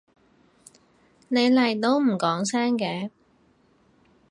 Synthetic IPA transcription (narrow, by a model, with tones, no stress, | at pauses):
ne˨˧jlɐ˨˩jt̪o˥wm̩˨˩kɔː˨˥ŋsɛː˥ŋkɛː˨˥